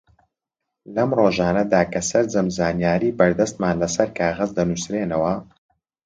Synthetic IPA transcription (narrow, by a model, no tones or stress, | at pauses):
lɐmroːʒaːnɐd̪aːkʰɐsɐɾd͡zɐmzaːnjaːɾiːbɐɾd̪ɐst̪̚maːnlɐsɐɾkʰaːɣɐzd̪ɐnusɾeːnɐwɐ